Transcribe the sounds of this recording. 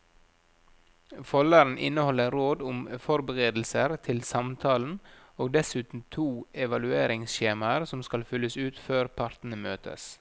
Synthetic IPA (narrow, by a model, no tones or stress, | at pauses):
fɔləɾn̩ʔɪnəhɔləɾoːd̪ʊmfɔɾbəʁeːd̪l̩səɾt̪ʰɪlsɑmt̪ʰɑːln̩ | oːɡd̪ɛsʉːt̪n̩t̪ʰuːɛʋɑlʉeːɾɪŋsçeːmɑəɾsɔmskɑlfʏlːəsʉːt̪føːɾpʰɑɾt̪n̩əmøːt̪ʰə̰s